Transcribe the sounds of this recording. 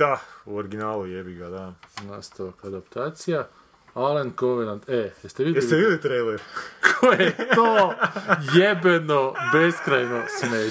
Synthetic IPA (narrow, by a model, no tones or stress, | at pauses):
d̪̥auoɾɡinaːlujebiɡad̪anast̪aokad̪apt̪aːt̪sija | alenkoʋenant̪ejɛst̪eʋiesit̪eʋidlit̪ɾejleɾkʰojet̪oː | jebenobeskɾajnosme